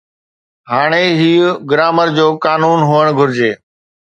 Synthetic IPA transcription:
ɦaːɽ̃eɦiːɡɾaːməɾd͡ʑoːkaːnuːnɦuəɽ̃ɡʱʊɾɪd͡ʑeː

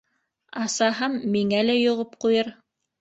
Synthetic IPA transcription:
ɑsɑɦɤmːiŋælæjŏʁɤp̚qujɤɾ

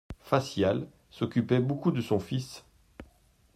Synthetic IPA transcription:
fasjal | sɔkʲypɛbokud̪əsɔ̃fis

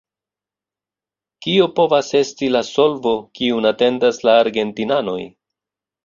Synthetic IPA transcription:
kiopo̞vase̞stilaso̞lvo̞kiunate̞ndaslaːɾɡe̞ntinano̞̰j

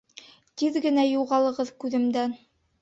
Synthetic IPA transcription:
t̪iðɡɘ̆næjuʁɑlˠɤ̆ʁɤðkʉðɘ̆md̪æn

